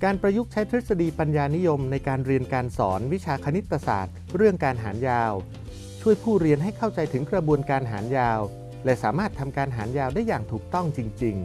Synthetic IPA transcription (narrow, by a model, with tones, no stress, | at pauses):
kaː˧npɾa˧ju˦˥k̚t͡ɕʰa˦˥jt̪ʰɾi˦˥t̪̚sa˧diː˧pa˧njaː˧ni˦˥jo˧mna˧jkaː˧nɾi˧ənkaː˧nsɔ̰ː˩˦nwi˦˥t͡ɕʰaː˧kʰa˧ni˦˥t̪ːa˧sa̰ː˨˩t̪̚ɾɯ˥˩əŋkaː˧nɦa̰ː˩˦njaː˧w | t͡ɕʰu˥˩əjpʰuː˥˩ɾi˧ənɦa˥˩jkʰa˥˩wt͡ɕa˧jt̪ʰɯ˩˦ŋkɾa˧bu˧ənkaː˧nɦa̰ː˩˦njaː˧w | lɛ˧˩sa̰ː˩˦maː˥˩t̪ʰːa˧mkaː˧nɦaː˩˦njaː˧wdaː˥˩jːaː˨˩ŋt̪ʰuː˨˩k̚t̪ɔ˥˩ŋt͡ɕi˧ŋt͡ɕi˧ŋ